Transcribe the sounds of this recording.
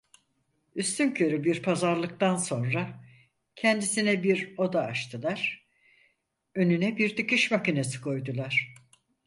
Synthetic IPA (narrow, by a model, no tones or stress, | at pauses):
yst̪ʰyncʰø̞ɾybiɾpʰazaɾlˠɯk̚t̪anso̞nɾa | cʰɛnd̪isinɛbiɾo̞d̪aːʃt̪ʰɯlˠaɾ̥ | ø̞nynɛbiɾd̪ɯkɯʃmacinesɯ̥kʰo̞jd̪ulˠaɾ̥